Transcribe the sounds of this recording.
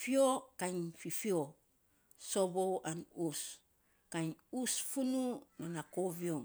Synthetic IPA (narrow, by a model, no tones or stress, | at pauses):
fiokaɲfifio | soβowanus | kajɲusfununanakoβiom